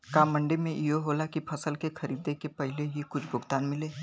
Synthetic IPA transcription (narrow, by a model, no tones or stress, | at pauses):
kaːmɐ̃ɳɖemẽʔijoɦoːlakipʰɐsəlkexɐɾiːd̪ekepɛɦleɦikʊt͡ʃʰbʱʊɡt̪aːnmɪleː